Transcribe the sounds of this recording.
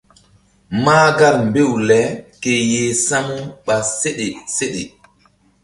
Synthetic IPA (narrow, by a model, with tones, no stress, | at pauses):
maː˦ɡa˦˨lm˨be˦˨wlɛ˨˦ke˨je˨sa˦mu˦ɓa˨se˦ɗe˨se˦ɗe˨